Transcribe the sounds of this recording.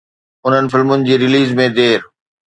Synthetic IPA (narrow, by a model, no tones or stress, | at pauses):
ʊn̤ənɪ̆fɪlmʊnɪ̆d͡ʑiːɾɪliːzmẽd̪eːɾ